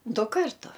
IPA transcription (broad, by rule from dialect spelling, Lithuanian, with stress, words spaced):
ˈdʊ ˈkɐrtʊ